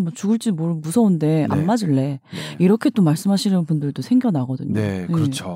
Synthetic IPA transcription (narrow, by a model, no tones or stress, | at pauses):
mwʌt͡ɕuɡɯɭt͡ɕ͈imoɾɯbusʰʌunde̞ʔa̰mːad͡ʑiɭːe̞iɾʌkʰe̞t͈omaɭs͈ɯmɦaɕʰinɯnpundɯɭdosʰe̞ŋɡjʌnaɡʌdɯ̰ɲojet͡ɕʰo